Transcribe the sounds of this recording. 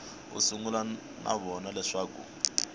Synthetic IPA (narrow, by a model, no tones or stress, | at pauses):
ṵsuŋula | nʔa̰βɔnalɛʂaːkṵ